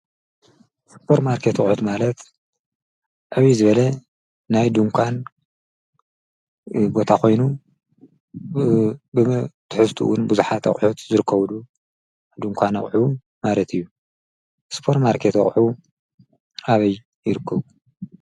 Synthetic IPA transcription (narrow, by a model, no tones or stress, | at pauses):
spʰoɾtmaɾkʰet̪ɐχʼħut̪malɐt̪ | ʕaβizɨβɐlɐ | najd̪uŋkʷʰan | bo̞t̪ʰako̞jnu | bɨt̪ʰɨ̥ħɨst̪ʰṵwʊnbuzuħat̪ɐ̰χʼħut̪zɨɾɨkʰːɐβlu | d̪uŋkʷʰanɐ̰χʼħu | malɐt̪ʰɨjːu | spʰo̞ɾmaɾkʰet̪ɐ̰χʼħu | aβɐj | jɪɾɨkʰːɐβu